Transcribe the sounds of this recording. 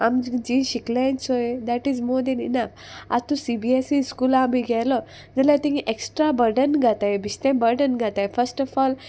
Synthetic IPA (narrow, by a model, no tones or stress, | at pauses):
a̰md͡ʒĩɕiklãjnsoed̪æʈizmod̪ẽninəf | a̰t̪usibiesiskulaamiɡʱɛlɔ | d͡zəlat̪ĩɦiʔeksʈɾabəɾɖənɡʱat̪aebist̪ẽbəɾɖənɡʱat̪aefəɾsʈɔfɔl